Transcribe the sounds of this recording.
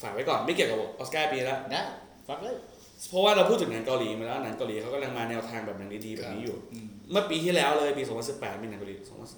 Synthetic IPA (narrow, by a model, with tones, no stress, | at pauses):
faː˨˩k̚wa˦˥jkɔː˨˩nma˥˩ki˨˩əwka˨˩pʔoː˦˥skaː˥˩piː˧˩la˦˥a˥˩ | fa˦˥klː | pʰɾɔ˧˦waː˥˩ɾa˧pʰu˥˩t̪̚ʰːɯ˩na˩˦ŋka˧wliː˩˦m˨˦lɛː˦˥˧na˩˦ŋka˧wliː˨˦a˦˥wkɔ˥˩la˧ŋmaː˧nɛː˧wt̪ʰaː˧ŋbɛː˨˩p̚na˩˦ŋdiː˦˥diː˧bɛː˨˩pniː˦˥juː˨˩mɯ˥˩əpiː˧t̪ʰiː˥˩lɛː˦˥wlɤː˧jpiː˧so˨˦mpa˧nsi˨˩pːɛː˨˩t̪̚miː˧na˩˦ka˧liː˨˩so˩˦mʰa˧nsi˨˩